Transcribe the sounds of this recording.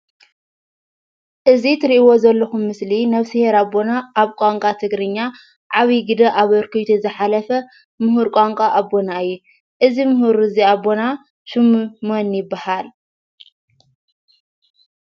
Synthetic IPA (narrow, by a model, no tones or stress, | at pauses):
ʔɨzit̪ʰɨɾiʔiwo̞zɐlːɐxumːɨslinɐβsɨheɾabːo̞naːβkʼaŋkʼat̪ʰɨɡɾɨɲːa | ʕaβiɡɨd̪ɐʔaβɨɾkʰɨjt̪ʰuzɨħalɐfɐ | mɨɦuɾkʷʼaŋkʼaʔabo̞naɨjːu | ʔɨzimɨɦuɾɨziabːo̞na | ʃɨmmonjɪbːahal